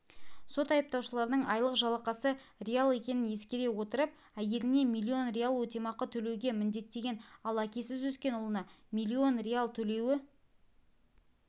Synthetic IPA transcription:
so̞t̪ɑjəp̚t̪ɑwʃəlˠɑɾənəɴɑjlˠəqʒɑlˠɑqɑsə | rʲealˠe̞kʲe̞nɪnje̞skʲeɾe̞wo̞t̪əɾəp̚ | æje̞lɪne̞mijlʲːio̞nrʲealˠwɵt̪emɑqət̪ʰɵle̞wɡʲe̞mɪnd̪e̞t̪ːe̞ɡʲe̞nɑlˠækʲe̞sɪzwɵskʲe̞nʊlˠənɑmijlʲːio̞nrʲealˠt̪ʰɵle̞wɪ

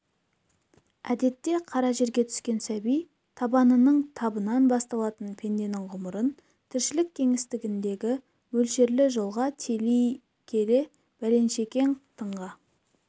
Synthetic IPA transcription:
æd̪e̞t̪ːe̞qʰɑɾɑʒe̞ɾɡʲet̪ʰʏ̥skʲe̞nsæbij | t̪ʰɑbɑnənəɴt̪ʰɑbənɑnbɑst̪ɑlˠɑt̪ənpʰe̞nd̪e̞nɪɴʁʊməɾən | t̪ʰɪɾʃɪlɪkʲʰːe̞ŋɪst̪ɪɡʲɪnd̪e̞ɡʲɪ | mɵlʃe̞ɾlɪʒolˠʁɑt̪ʰe̞lij | kʲʰe̞ɾe | b̥æle̞nʃe̞kʲe̞nt̪ʰəɴʁɑ

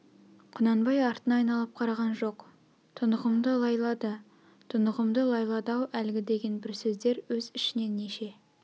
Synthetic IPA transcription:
qʰʊnɑnbɑjɑɾt̪ənɑːjnɑlˠəp̚qʰɑɾɑʁɑnʒo̞q | t̪ʰʊnəʁəmd̪əlˠɑjlˠɑd̪ə | t̪ʰʊnəʁəmd̪əlˠɑjlˠɑd̪ɑwælɡʲɪd̪e̞ɡʲe̞nbɪɾsɵzd̪e̞ɾwɵzɪʃɪne̞neʃe̞

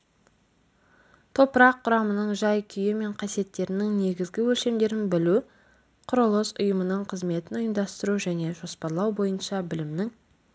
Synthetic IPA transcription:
t̪ʰo̞pəɾɑqʰːʊɾɑmənəɴʒɑjkʲʰʏjɪme̞ɴqʰɑsije̞t̪ːe̞ɾɪnɪŋne̞ɡʲɪzɡʲɪwɵlʃe̞md̪e̞ɾɪnbɪlu | qʰʊɾolˠosʊ̰jəmənəɴqʰəzme̞t̪ɪnʊjəmd̪ɑst̪əɾuʒæne̞ʒo̞spɑɾlˠɑwbo̞jənʃɑbɪlɪmnɪŋ

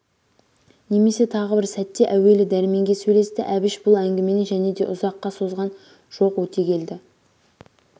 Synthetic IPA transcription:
ne̞me̞se̞t̪ʰɑʁəbɪɾsæt̪ːe̞ʔæwe̞lɪd̪æɾɪme̞ŋɡʲe̞sɵjle̞st̪ɪʔæbɪʃbʊlˠæŋɡʲɪme̞nɪʒæne̞d̪e̞ʔʊzɑqːɑso̞zʁɑn | ʒ̥o̞qwɵt̪e̞kʲʰe̞ld̪ɪ

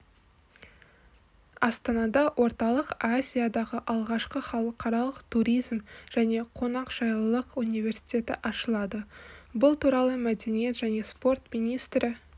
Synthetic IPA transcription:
ɑst̪ɑnɑd̪ɑwʔo̞ɾt̪ɑlˠəqazʲijad̪ɑʁəʔɑlˠʁɑʃqəχɑlˠəqʰɑɾɑlˠəqt̪ʰuɾʲijzmʒ̥æne̞qʰo̞nɑqʒ̥ɑjlˠəlˠəqunijvʲe̞ɾsi̥t̪ʲe̞t̪ɪ̰ʔɑʃəlˠɑd̪əbʊlˠt̪uɾɑlˠəmæd̪e̞nijet̪ʒæne̞spo̞rt̪mijnijst̪ɾɪ

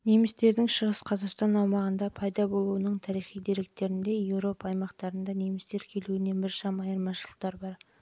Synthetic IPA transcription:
ne̞mɪst̪e̞ɾd̪ɪŋʃəʁəsqʰɑzɑqst̪ɑnɑwmɑʁənd̪ɑpʰɑjd̪ɑbo̞lˠuənəɴt̪ʰɑɾijχijd̪e̞ɾe̞k̚t̪e̞ɾɪnd̪e̞je̞wɾo̞pɑːjmɑqt̪ɑɾənd̪ɑne̞mɪst̪e̞ɾkʲʰe̞luɪne̞nbɪɾʃɑmɑjəɾmɑʃəlˠəq̚t̪ɑɾbɑɾ

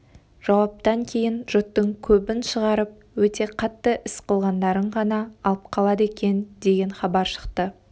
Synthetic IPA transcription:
ʒ̥ɑwɑp̚t̪ɑŋkʲʰe̞jɪnʒ̥ʊt̪ːəŋkʲʰɵbɪnʃəʁɑɾəp̚wɵt̪e̞qʰɑt̪ːəʔɪsqəlˠʁɑnd̪ɑɾəɴʁɑnɑːlˠəp̚qʰɑlˠɑd̪əekʲe̞nd̪e̞ɡʲe̞nχɑbɑɾʃə̥qt̪ə

